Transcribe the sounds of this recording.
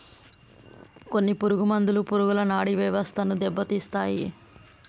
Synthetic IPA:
ko̞nːipuɾuɡumɐnd̪ulupuɾuɡulɐnaːɽiʋɐʋɐst̪ʰɐnud̪ɛbːɐt̪ist̪aːji

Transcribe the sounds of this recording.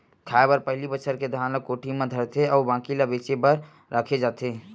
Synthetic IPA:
kʰaːebəɾpəɦlibət͡ʃʰəɾked̪ʱaːnləkoːʈʰimẽd̪ʱəɾt̪ʰeɔːbãːkilabeːt͡ʃebəɾ | ɾəkʰed͡ʒaːt̪e

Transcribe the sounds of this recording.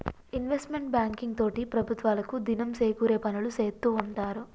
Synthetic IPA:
inʋesʈme̞ɳʈ̚baːŋkiŋɡ̚t̪o̞ːʈipɾɐbʱut̪ʋaːlɐkud̪inɐmse̞ːkuːɾe̞ːpɐnuluse̞ːt̪ːuːɳʈaːɾu

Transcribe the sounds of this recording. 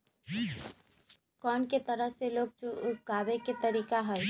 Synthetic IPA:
kɔːnket̪əɾəɦseloːɡ̚t͡ʃuupkaːbeket̪əɾiːkaɦəj

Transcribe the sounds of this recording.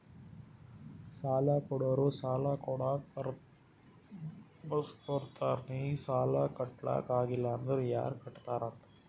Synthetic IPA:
saːlaːkoɽoːɾusaːlaːkoɽa | bɐskoɾt̪aːɾniːsaːlaːkɐʈla̰ːkaːɣɪlːand̪ɐɾja̰ːɾkɐʈːt̪aːɾat̪ː

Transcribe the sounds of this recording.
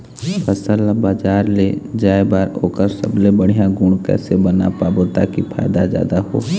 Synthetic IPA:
pʰəsəlabaːd͡ʒaːɾled͡ʒaːebaːɾoːkəɾsə̰blebəɽ̤ijãɡʊɳ̃kɛ̰ːsebəna̰paːbot̪akipʰa̰ːjd̪azja̰ːd̪aɦo̰ː

